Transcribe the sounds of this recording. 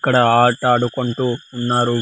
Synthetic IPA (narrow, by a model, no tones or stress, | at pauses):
kːɐɽɐaːʈɐːɽukuɳʈuːnːaːɾu